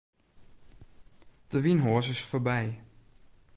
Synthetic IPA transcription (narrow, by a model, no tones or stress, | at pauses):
d̥əʋinɦɔːsɪsfoːɹbɛj